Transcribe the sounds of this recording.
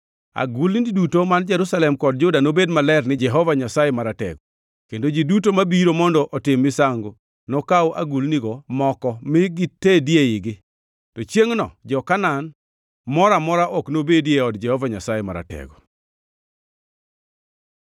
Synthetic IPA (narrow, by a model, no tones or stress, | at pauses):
a̰ɡulididutomand͡ʒɛɾusalɛmkɔd̚d͡ʒʊdanobedmalɛrnɪd͡ʒɛɦɔvaɲasajemaɾatɛ̰ɡɔ | kendod͡ʒidutomabiɾomɔndɔʔɔtɪmːɪsaŋɡo | nɔkawʔa̰ɡulniɡɔmɔkɔmɪɡitːedjeɪɡɪ | tot͡ʃjeŋnɔ̰d͡ʒɔkanan | mɔɾamɔɾaʔɔknobedjeɔdd͡ʒɛhɔvaɲasajɛma̰ɾa̰tɛ̰ɡɔ